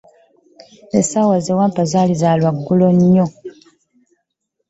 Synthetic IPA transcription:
esawazewaːmpazaːlizaːlwaɡːuloɲːo

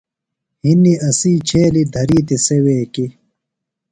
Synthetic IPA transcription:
hiniʔɐsiːt͡ɕʰeːlid̪ʱɐɾiːt̪iseweːki

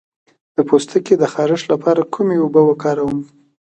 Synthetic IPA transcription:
d̪̥əpost̪əked̪əxɑɾɪʂlapʰɑɾakʰumeʊbəwəkɑɾawəm

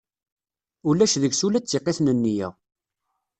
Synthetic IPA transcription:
ulæʃðəɡsulæt͡sːeqːeθnənːijæ̰ʁ

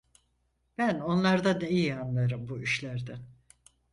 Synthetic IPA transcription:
b̥æno̞nlˠaɾd̪aneijianlˠaɾɯmbuyʃlʲæɾd̪ɛ

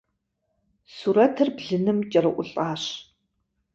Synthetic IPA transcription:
suːɾɐtʰɨrbɮɨnɨmt͡ʃʼɐrɨʔʷʊɬʼaːɕ

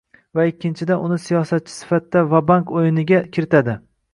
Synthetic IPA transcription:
vaɪkʲːɪnt͡ʃʰɪd̪anʊnɪsijɒsat̪̚t͡ʃʰɪ̥sɪ̥fat̪ːavabankojɪnɪɡʲakʲʰɪɾɪt̪ʰad̪ɪ

